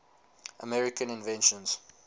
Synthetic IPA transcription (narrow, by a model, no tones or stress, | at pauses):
ʔəmɛɹɪkə̃nɪ̃nvɛ̃nʃɔ̃nz̥